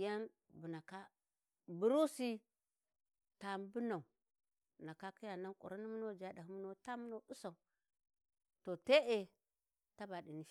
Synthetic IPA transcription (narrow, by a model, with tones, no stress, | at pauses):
ja˦n | bu˨na˨ka˦ | bu˨ɾu˦si˦ | ta˨m˦bu˦na˨u˨ | na˨ka˦ki˦ja˨na˦nkʷʼo̰˨ɾa˦ni˦mu˦no˦d͡ʒa˨da˨hu˦mu˦no˦ta˦mu˦no˦u˦sa˨u˨ | to˨te˦ʔe˨ | ta˦ba˨di˨ni˦